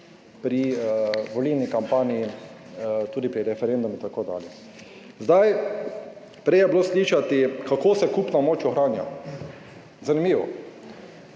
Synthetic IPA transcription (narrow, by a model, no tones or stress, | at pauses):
pɾiʋɔlilnikampaːnii | t̪uːd̪ipɾiɾɛfɛɾend̪umit̪akoːd̪a̰ːljɛ | zd̪aj | pɾɛjɛbloːsliːʃat̪ikakoːsɛkupnamoːt͡ʃɔxɾaːnja̰ | zanimiːʋɔ̰